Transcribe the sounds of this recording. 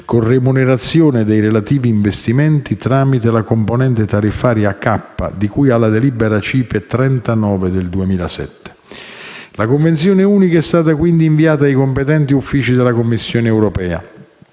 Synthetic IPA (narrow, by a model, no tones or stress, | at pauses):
konremuneɾat̪sːjoːned̪ejɾelat̪iːviːɱvest̪imɛnt̪it̪ɾaːmit̪elakomponɛnt̪et̪arifaːɾjakːapːa̰d̪ikujalːad̪elibeɾat͡ʃiːpet̪ɾɛnt̪anɔːved̪eld̪uemiːla̰sɛ̰t̪ːe̥ | lakoɱvent̪sjoːnɪuːnikaɛst̪aːt̪akwind̪iːɱviaːt̪aːjkompet̪ɛnt̪iufːiːt͡ʃid̪elakomːisːjoːneɛwɾopɛːa̰